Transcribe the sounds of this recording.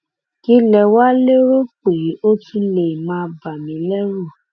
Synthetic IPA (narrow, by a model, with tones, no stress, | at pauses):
ki˦lɛ˧wa˦le˦ɾo˦k͡pe˨˦o˦tĩ˧le˨mãː˧˦˧ba˨mĩ˨˦lɛ˦ɾu˦˨